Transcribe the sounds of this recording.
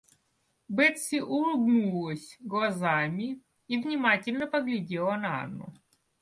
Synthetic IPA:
bɛt̪sʲiʔʊlˠbnulˠəsʲɡlˠɐzamʲɪ | ivnʲɪmatʲɪlʲnəpəɡlʲɪdʲelˠɐnaa̰nːṵ

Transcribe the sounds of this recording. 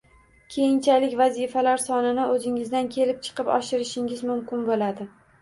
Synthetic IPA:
kʲʰe̞jɪnt͡ʃʰalɪkʲvazifalaɾsɒnɪnɪʔɵzɪŋɪzd̪ankʲʰe̞lɪp̚t͡ʃʰɨ̥qɨpɒ̰ʃɪɾɪʃɪŋɪzmʊmkʲɪnbolad̪ɪ

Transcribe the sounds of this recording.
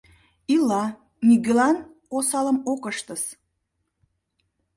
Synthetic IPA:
ilɑ | niɡølɑn | osɑləmokəʃt̪əs

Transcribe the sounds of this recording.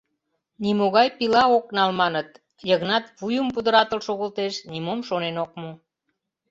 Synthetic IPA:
nimoɣɑjpilɑoknɑlmɑnət̪ | jəɣnɑt̪βujəmpud̪əɾɑt̪əlʃoɣəlt̪eʃnimomʃonenok̚mo

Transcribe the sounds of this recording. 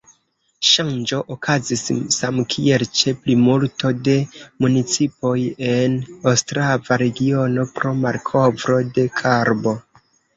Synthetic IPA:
ʃand͡ʒo̞ʔokʰazisːamkʰie̞lt͡ʃe̞plimulto̞de̞munit͡sipo̞je̞nawstɾavaɾe̞ɡio̞no̞pɾo̞maɾkʰo̞vɾo̞de̞kʰaɾbo̞

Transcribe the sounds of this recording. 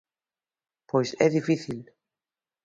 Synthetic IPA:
pojsɛðifiθil

